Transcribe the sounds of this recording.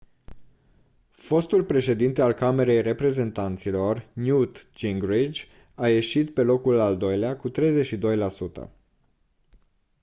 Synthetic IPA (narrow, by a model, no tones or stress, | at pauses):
fo̞st̪ulpɾe̞ʃe̞d̪int̪ealkame̞ɾe̞jre̞pɾe̞ze̞nt̪ant̪silo̞rnjut̪d͡ʒiŋɡɾid͡ʒʲ | aje̞ʃit̪pe̞lo̞kulald̪o̞jleakut̪ɾe̞jzet͡ʃʃid̪o̞jlasut̪ə̰